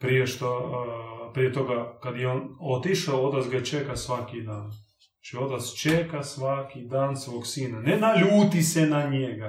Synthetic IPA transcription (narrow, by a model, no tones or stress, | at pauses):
pɾijeʃt̪o | pɾijet̪o̞ɡakad̪jeonot̪iʃaoot̪atsɡat͡ʃekasʋakid̪aːn | zat͡ʃio̞t̪at̪st͡ʃekasʋakid̪aːnsʋoːksiːnanenaʎuːt̪isenaɲeɡa